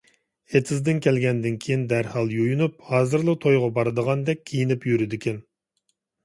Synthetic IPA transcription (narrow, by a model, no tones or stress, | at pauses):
et̪ʰɪzd̪ɪnkʲʰɛlɡʲɛnd̪ɪnkʲʰijind̪æɾhɑlˠjojunup̚hɑːzɨɾlˠɨt̪ʰojʁɑbɑɾɨd̪əʁɑnd̪ɛk̚ʲʰːijinɪpjyɾɪd̪ɪkʲʰɛn